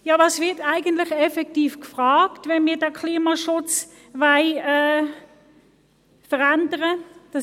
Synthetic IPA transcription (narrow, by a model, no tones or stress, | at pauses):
jɑːvɑːsvɪɐtaɪɡəntlɪχɛfɛktiːfkfʁɑːktvɛnmiːɐdɛkʰliːmaʃʊt͡s | vaɪɛː | fəʁandəʁəd̥ɑ